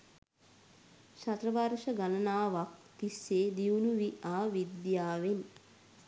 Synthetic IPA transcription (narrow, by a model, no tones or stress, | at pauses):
ʃat̪rəʋarʃəɡalənaːʋak̚t̪isːeːd̪iunuʋiʔaːʋid̪jaːʋen